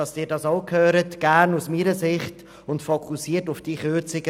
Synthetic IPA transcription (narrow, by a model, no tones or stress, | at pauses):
ɑsd̥ɪːɾdɑːsokʰhøːɾətɡ̥æɾnusmiːɾəsɪχt | ʊntfokʰusiːtʊfd̥iːχøːt͡sɪɡə